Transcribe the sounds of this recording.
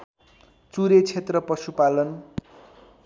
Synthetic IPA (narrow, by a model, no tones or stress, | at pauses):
t͡suɾet͡sʰet̪rʌpʌsupalʌn